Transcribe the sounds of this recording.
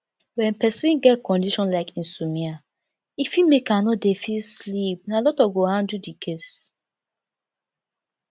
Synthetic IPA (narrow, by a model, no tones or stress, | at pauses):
wɛ̃npɛsĩnɡɛt̚kɔ̃ndiʃɔ̃nslaɪkĩnsumia | ifimekanodefilslip̚nalɔtɔɡohãndudikʰes